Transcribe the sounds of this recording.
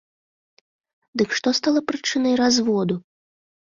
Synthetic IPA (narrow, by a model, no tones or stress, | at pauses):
d̪ɨkʂt̪ɔst̪alˠɐpɾɨt͡ʂɨnɐjɾazvɔd̪u